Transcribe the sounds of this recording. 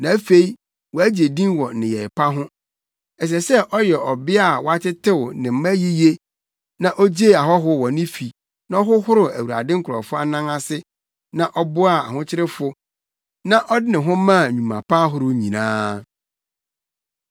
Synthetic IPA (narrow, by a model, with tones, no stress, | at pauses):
nã˨˦fe˦i˦ | wɔ˨æ˦d͡ʑi˨e˨dĩ˦nwɔ˨nɪ̃˨jɛ˨ɪ˨pʰa˦ɦʊ̃˦ | ɛ˨s̬ɛ˨sɛ˦ʔɔ˦jɛ˨ɔ˨bɪ˦a˦˨wɔ˨a˦tɪ˦tʰɪ˦wnɪ̃˨m̩˦mæ̃˦ji˦je˦ | nã˨ʔo˦d͡ʑe˦˨a˨ɦɔ˦ɦʊ˦wɔ˨nɪ̃˦fi˨ | nã˨˦ɔ˦ɦʊ˦hʊ˦ɾʊ˨æ˨wu˨a̰˨dɪ̃˦ŋ̩˦kʰʊ˨ɾɔ̰˨fʊ˦a˦nã˦ŋa˦sɪ˦ | nã˨ʔɔ˦bʊ˦a˨a˨ɦʊ̃˦t͡ɕʰɪ˦ɾɪ˦fʊ˦ | nã˦ʔɔ˦dɪ˦nɪ̃˨ɦʊ̃˦mã˦˨ɲũ˨mã̰˨pʰa˦ɦʊ˨ɾʊ˦ɲĩ˨nã̰ː˦